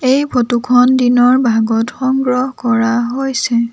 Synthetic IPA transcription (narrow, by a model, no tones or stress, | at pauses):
ejpʰotukʰɔndinɔɹbʱaɡɔtxɔŋɡɹɔɦɔkɔɹaɦojsɛ